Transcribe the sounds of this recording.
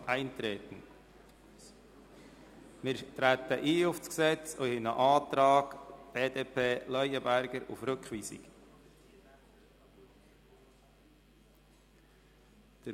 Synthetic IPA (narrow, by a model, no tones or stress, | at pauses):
æɪnt̪ɾɛːt̪n̩ | mɪːɾt̪ɾæt̪əʔiːʊfsksɛt͡sohɪnəʔɑːt̪ɾɑːɡ̥b̥eːdeːpʰeːlœʏəbæɾɡəɾʊ̰fɾʏkχʋiːsɪ̰k | d̪̥ə